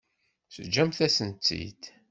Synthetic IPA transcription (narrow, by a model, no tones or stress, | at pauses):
səd͡ʒæmθæsənt͡s̪ːḭd̪